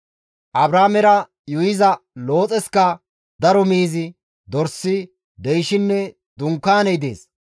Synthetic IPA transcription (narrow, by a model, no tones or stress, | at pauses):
ʔɐbɾaːmɛɾɐ | jʊjɪzɐlo̞ːt͡sʼɛskɐ | d̪ɐɾɔmiːzɪ | d̪ɔɾsːɪ | d̪ɛjʃɪnːɛ | d̪ʊŋkːaːnɛjd̪ḛːs